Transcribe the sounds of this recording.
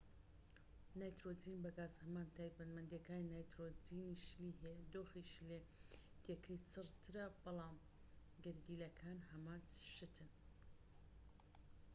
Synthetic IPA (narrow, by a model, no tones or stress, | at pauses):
naːjt̪ɾod͡ziːnbɐɡaːzhɐmaːnt̪ʰajbɐnmɐnd̪jɐkaːninaːjt̪ɾod͡ziniʃliːɦɛjad̪oːxiʃled̪̥jekʰəjt͡sʰɨrt̪ʰɨɾɐbɑlˠaːm | ɡɨɾd̪iːlɐkʰaːnhɐmaːnt͡sʃɨt̪ʰɨn